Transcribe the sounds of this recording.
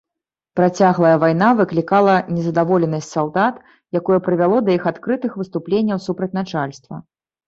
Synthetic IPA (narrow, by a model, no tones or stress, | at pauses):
pɾat͡sʲaɣlˠɐjɐvajn̪avɨklʲikalˠɐnʲɛzɐd̪avɔlʲɛnɐsʲtʲsalˠd̪at̪ | jakɔjɛpɾɨvʲalˠɔd̪ɐjixat̪kɾɨt̪ɨxvɨst̪uplʲenʲːɐwsupɾɐt͡sʲnat͡ʂalʲst̪vɐ̰